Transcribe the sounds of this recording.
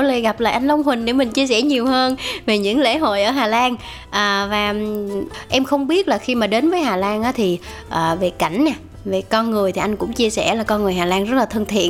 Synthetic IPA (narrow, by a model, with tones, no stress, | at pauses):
o˧˦le˧˨˩ɣa˨˩p̚la̰ː˧˨ʔa˧jŋ̟lə˧wŋ͡mɦwï˨˩ŋ̟ɗe˧˩mï˨˩ŋ̟t͡ɕi˧əsɛ˧˩ɲi˨˩əwɦəː˧nve˨˩ɲɨ̰˧˥ŋlḛ˧˥ɦo̰˧˨jʔəː˧˩ɦaː˨˩laː˧n | ʔəː˨˩vaː˨˩ | ʔɛ˧mxə˧wŋ͡mɓi˦˥ət̚laː˨˩xi˧maː˨˩ɗe˨˦nvəː˨˦jɦaː˨˩laː˧nʔaː˨˦t̪ʰi˨˩ | ʔəː˨˩ve˨˩ka̰˧˩jŋ̟naː˨˩ | ve˨˩kɔ˧nŋɨ˨˩əjt̪ʰi˨˩ʔa˧jŋ̟kʊ̰˧˥ŋ͡mt͡ɕi˧əsɛ̰˧˩laː˨˩kɔ˧nŋɨ˨˩əjɦaː˨˩laː˧nzə˦˥t̚laː˨˩t̪ʰə˧nt̪ʰḭ˧˨ən